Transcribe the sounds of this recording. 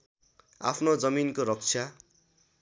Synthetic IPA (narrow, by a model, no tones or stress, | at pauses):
a̰pʰnod͡zʌminkoɾʌk̚t͡sʰja